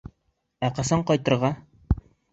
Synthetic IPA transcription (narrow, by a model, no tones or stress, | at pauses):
æqɤ̆sɤɴqɒjt̪ɤ̆ɾʁɑ